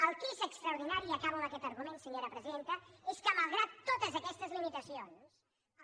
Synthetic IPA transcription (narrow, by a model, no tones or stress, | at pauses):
əlˠt̪izəkst̪ɾəuɾðinaɾiəkaβəməkɛt̪əɾɣumensəɲoɾəpɾəziðent̪əeskəməlˠɣɾat̪ːot̪əzəkɛst̪əzlimit̪əsions